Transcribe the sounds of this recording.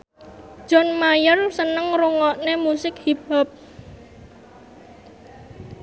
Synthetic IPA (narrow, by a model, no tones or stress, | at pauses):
d̥ʒ̥ɔ̤nmajʊrsənəŋruŋɔʔnemusɪkhib̥ap̚